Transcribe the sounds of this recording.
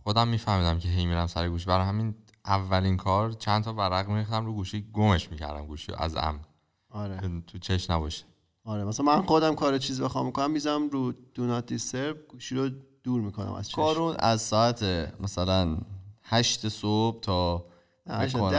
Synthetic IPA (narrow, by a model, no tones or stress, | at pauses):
xod̪æmːiːfæhmiːd̪æmcʰeɦe̞jmiɾæmsæɾeɡuːʃ̬ibæɾjhæmin | ʔævːælinkʰɒːɾt͡ʃʰænt̪ʰɒːbæɾæɣmiɾixt̪æmɾuːɡuːʃiɡome̞ʃmiːcʰæ̰ɾd̪æmɡuːʃḭo̰ʔæ̰zæ̰m | ɒɾeet̪ʰut͡ʃʰeʃnæbɒʃe̥ | ɒːɾemæsælæmænxod̪æmkʰɒːɾet͡ʃʰiːzbexɒmikʰonæmːizæmɾuːd̪̥unɒt̪ʰiseɾb̚ɡ̥uːʃiɾod̪̥uːɾmiːkʰonæ̰mæ̰z̥t͡ʃʰkʰɒɾunæzsɒæt̪ʰemʔæsælænhæʃt̪esob̥̚t̪ʰɒː | ko